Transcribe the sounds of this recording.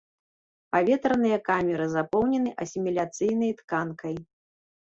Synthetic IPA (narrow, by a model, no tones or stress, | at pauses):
pavʲɛt̪ɾɐnɨjɐkamʲɛɾɨzapɔwnʲɛnɨʔɐsʲimʲilʲat̪sɨjnɐjt̪kankɐj